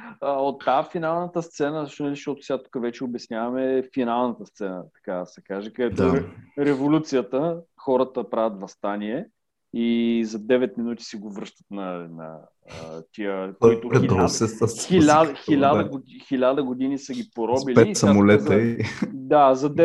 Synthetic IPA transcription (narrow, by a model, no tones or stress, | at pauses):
əot̪ːafinalˠnət̪əst̪sɛnəʃt̪onɐliʃt̪ɔt̪ʊ̥sʲat̪u̥kəvɛt͡ʃɛobɛsnʲavɐmɛfinalˠnət̪əst̪sɛnət̪ɐ̥kasɛkaʒɛkəɛd̪t̪ɔɾɾɛvolʲut̪sijət̪əxɔɾət̪əpɾavət̪vɐst̪anʲiɛ | izɐd̪ɛvɛt̪minut̪i̥sɛɡovɾɤʃt̪ə̥t̪nɐnɐ̰ | ət̪iəkit̪oɾɛɔsɛsəsilʲad̪xilʲad̪əɡoxilʲad̪əɡod̪inisəɡʲipoɾɔbilɛt̪ːsɐamolɛt̪əid̪azɐd̪ɛ